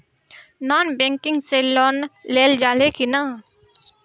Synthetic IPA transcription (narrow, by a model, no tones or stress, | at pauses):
naːnbɛ̃ːŋkɪ̃ŋɡselɔːnːeːld͡ʒaːlekina